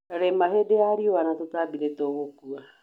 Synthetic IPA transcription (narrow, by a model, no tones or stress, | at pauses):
ɾemaɦedeaɾioanatʊtabiɾetoɣokua